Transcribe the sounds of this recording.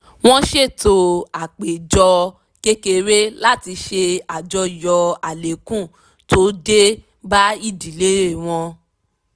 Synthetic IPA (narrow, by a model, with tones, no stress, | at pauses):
w̃ɔ̃˦ʃe˦˨to˧˦a˨k͡pe˨d͡ʒɔ˧ | ke˦ke˧ɾe˦la˦˨ti˧ʃe˧a˨d͡ʒɔ˧˦˨jɔ˧a˨le˨kũ˦˨ | to˨˦de˦ | ba˦i˦˨di˨le˨˦ɾe˦˨w̃ɔ̃˧